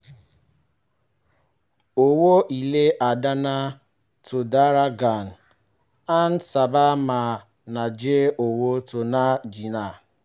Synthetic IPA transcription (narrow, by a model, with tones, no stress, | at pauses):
o˨wo˦ʔi˨le˦ʔa˨da˦na˦ | tʊ˨da˦ɾa˦ɡa˨n̩˨ | a˦n̩˦sa˨ba˦ma˨ | na˨d͡ʒe˦o˨wo˦to˨na˦d͡ʒi˨na˨